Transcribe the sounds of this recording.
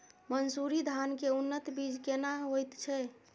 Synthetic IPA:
mənsuɾid̪ʱankeunːət̪bid͡ʒkenaɦojt̪t͡ʃʰɛ

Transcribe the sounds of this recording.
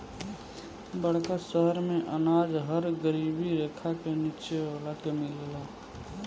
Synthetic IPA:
bəɽ̤kasəɦəɾmẽʔənaːd͡ʒɦəɾɡəɾiːbiɾeːkʰakenit͡ʃeaːlakemɪlela

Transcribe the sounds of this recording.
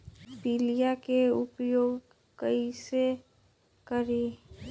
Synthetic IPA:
pilijakeʊpjoːɡ | kəise | kəɾi

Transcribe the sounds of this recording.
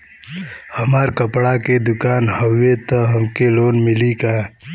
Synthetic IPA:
həmaːɾkəpɽaked̪ʊkaːnɦɐwet̪ɐɦɐmkeloːnmɪlika

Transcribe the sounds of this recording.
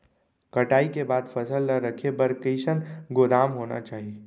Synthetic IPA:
kɐʈaːikebaːd̪fʰɐsəlnaɾəkʰebɐɾkiːʃənɡod̪aːmɦoːna̰t͡ʃaːɦie

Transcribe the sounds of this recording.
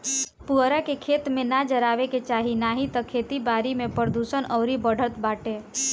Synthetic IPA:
puɦɾakekʰeːt̪mẽnad͡ʒəɾaːʋeket͡ʃaːɦinaːɦit̪əkʰeːt̪ibaːɾimẽpɾəd̪uːʃənʔɔːɾibəɽ̤ʱət̪baːʈeː

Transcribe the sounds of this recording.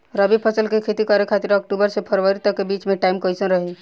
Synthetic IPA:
ɾəbipʰəsəlkekʰeːt̪ikəɾekʰaːt̪ɪɾɔk̚ʈuːbəɾsepʰəɾʋəɾit̪əkːebiːt͡ʃmẽʈaːɪmkoisə̃nɾɐɦe

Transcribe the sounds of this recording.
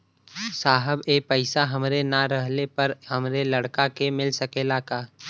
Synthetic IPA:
saːɦəbeːpəɪsaɦɐmɾenaɾəɦlepɐɾhɐmɾelɐɽkakemɪlsɐkelakaː

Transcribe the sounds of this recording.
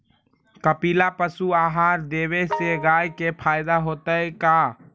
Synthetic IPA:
kəpiːlapəsuaːɦaːɾd̪eːweseɡaːjkepʰaːɪd̪aɦoːt̪əeka

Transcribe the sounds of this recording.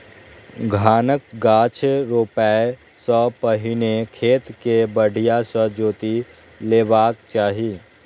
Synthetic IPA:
ɡʱaːnək̚ɡaːt͡ʃʰɾoːpɛe | sɔpəɦɪnekʰeːt̪kebəɽ̤ʱijasɔd͡ʒoːt̪i | leːʋaːk̚t͡ʃaːɦiː

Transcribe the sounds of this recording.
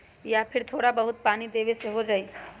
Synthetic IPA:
japʰɪɾt̪ʰoːɽabəɦʊt̪̚paːnid̪eːʋeseɦod͡ʒaːi

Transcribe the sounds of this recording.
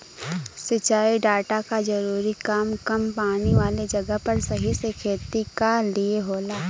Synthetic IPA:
sɪt͡ʃaːiɖaːʈakad͡ʒɐɾuːɾikaːmkɐmpaːniʋaːled͡ʒɐɡəɦpɐɾsɐɦisekʰeːt̪ikalieɦoːlaː

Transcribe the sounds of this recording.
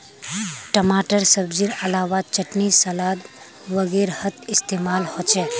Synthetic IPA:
ʈəmaːʈəɾsəbd͡ʒiɾəlaːʋat͡ʃəʈnisɐlaːd̪ | ʋəɡeɾhət̪ʰɪst̪eːmaːlhot͡ʃʰe

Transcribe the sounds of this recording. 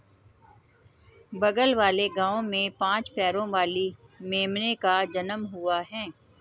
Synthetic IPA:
bɐɡəlʋaːleɡãːõmẽpãːt͡ʃpɛːɾõʋaːlimeːmnekad͡ʒɐnəmɦʊaɦɛ̃ː

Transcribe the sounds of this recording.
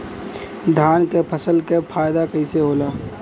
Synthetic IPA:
d̪ʱaːnkepʰəsəlkepʰaːjd̪akəiseɦoːlaː

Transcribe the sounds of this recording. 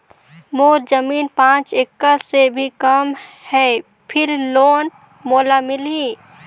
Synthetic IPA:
moːɾd͡ʒəmiːnpãːt͡ʃekːəɾsebʱikəmhɛː | pʰɪɾloːn | moːlamɪli

